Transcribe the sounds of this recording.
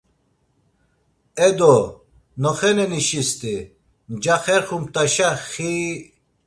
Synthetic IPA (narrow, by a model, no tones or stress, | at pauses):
ɛd̪ɔ | nɔχɛnɛniʃist̪i | nd͡ʒaχɛɾχumt̪aʃaxi